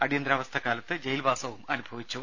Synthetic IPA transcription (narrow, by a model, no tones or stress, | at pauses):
ɐɽijɐnd̪ɾaːʋɐst̪ʰɐkːaːlɐt̪ːɨd͡ʑɐjilbʱaːsɐʋumɐnubʱɐʋit͡ɕːu